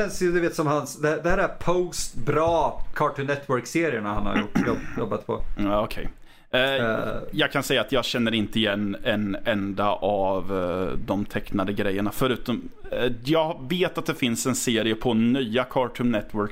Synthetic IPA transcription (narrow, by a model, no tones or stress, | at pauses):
ɛnsjəd̪ʉveːt̪sɔmhansd̪ɛd̪ɛæːɾæpʰoʊst̪bɾɑːkʰɑːʈʉnɛt̪ʰːwœɾkseːɾɪəɳahanha̰ɾjʊʈːjɔjɔbːat̪pʰɔ̰aɔkʰɛ̰j | jɑːɡkʰansɛjːaːt̪jɑːɡɕɛnːəɾɪnt̪əɪjɛnːɛnɛnd̪aʔavd̪ɔmt̪ʰɛkːnad̪əɡɾɛjːəɳafœɾʉ̟ːt̪ɔmjɑːɡveːt̪at̪̚d̪ɛfɪnsɛnseːɾɪəpʰɔnyːakʰɑːʈʰʉnnɛt̪ːwœɾk